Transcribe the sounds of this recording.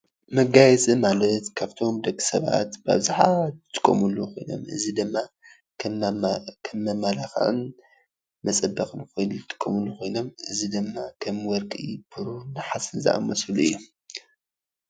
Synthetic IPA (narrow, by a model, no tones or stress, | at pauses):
mɐɡajɛt͡sʼimalɐt̪kʰaβt̪ʰo̞md̪ɐɡʼɨ̥sɐβa̰t̪ba̰βzaħatɨt̪ʰʼːɨ̥kʼːo̰muluko̞jno̞̰mʔɨ̰zid̪ɨmːa | kʰ | kʰɐmːɐmalaxʕɨ̰n | mɐt͡sʼɐbːɐkʼnkojnt̪ʰʼːɨ̥kʼːomulːuxo̞jno̞mʔɨzid̪ɨmːakʰɐmwɔɾkʼibʰɨɾunɨħasɨnza̰ʔa̰mɐsɨluʔɨ̰jːu